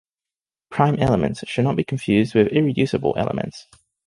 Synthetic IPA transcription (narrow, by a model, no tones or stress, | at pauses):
pʰɹ̥ãɪ̃mʔɛlˠəmə̃ntsʃɨdⁿnəʔ̚b̥ikʰə̃ɱfjʉːzd̚wɪðɪɹɪdjʉˑsəbə̰lˠʔɛ̰lˠə̰mʔə̰̃nts